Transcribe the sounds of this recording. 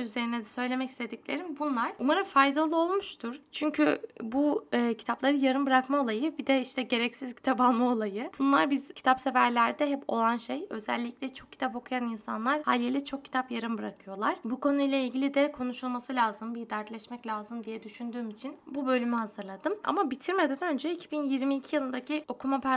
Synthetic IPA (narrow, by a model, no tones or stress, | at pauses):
yze̞ɾinɛd̪ɛsø̞jlʲe̞mɛci̥st̪ʰe̞d̪iclʲeɾimbunlˠaɾ̥umaɾɯfajd̪alˠuo̞lˠmuʃt̪ʰuɾ̥t͡ʃʰyɲcʰybuːcʰi̥t̪ʰaplˠaɾɯjaɾɯnbɯɾakmao̞lˠajɯbid̪ɛiʃt̪ɛɟe̞ɾɛcsizcʰi̥t̪ʰabalˠmao̞lˠajɯbunlˠaɾbizcʰi̥t̪ʰapsefæɾlʲæɾd̪ɛɦɛpʰo̞̰lˠanʃejø̞̰zɛ̰lʲːicʲlʲɛt͡ʃʰo̞k̚cʰːi̥t̪ʰapo̞kʰujaninsa̰nlˠaɾhalʲilʲɛt͡ʃʰo̞k̚cʰːi̥t̪ʰapjaɾɯnbɯɾakʰɯjo̞lˠaɾ̥buko̞nujlʲˠailʲɟilʲid̪ɛkʰo̞nuʃulˠmasɯlʲaːzɯmbid̪æɾt̪lʲɛʃmɛclʲaːzɯmd̪ijɛd̪yʃynd̪yːmit͡ʃʰinbubø̞lʲymyhazɯɾlˠad̪ɯma̰mabit̪ʰiɾme̞d̪ænø̞nd͡ʒɛicʰibinjiɾmiːcʰijɯlˠɯnd̪acʰio̞kʰumapʰæ